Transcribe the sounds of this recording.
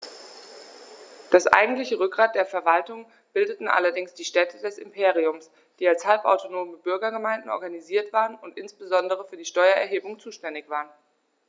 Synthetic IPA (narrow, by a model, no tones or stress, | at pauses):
d̥asʔa̰ɪɡŋ̩tlɪçəʁʏk̚ɡ̥ʁaːt̚d̥eːɐfɛɐvaltʊŋ | b̥ɪldətn̩ʔa̰lɐdɪŋsd̥iːʃtɛtʰədɛsɪ̰mpʰeːʁ̞iʊms | d̥iːalshalpʔa̰ʊtonoːməbʏɐɡɐɡəmaɪndn̩ʔɔ̰ɐɡaniziːɐtv̥aːʁənʊntʔɪnsb̥əzɔndəʁ̞əfyːɐdiːʃtɔʏɐɛ̰ɐɦeːbʊŋt͡suːʃtɛndɪçv̥aːʁən